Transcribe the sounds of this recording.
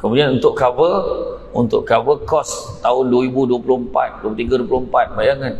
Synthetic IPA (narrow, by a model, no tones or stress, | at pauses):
kəmudianunt̪ʊʔkavəunt̪ʊ̰ʔkavəkɔst̪aʊnduəɾibuduəplʊhmpa̰t̪̚duəput̪iɡaduəplʊhmpat̪̚bajaŋan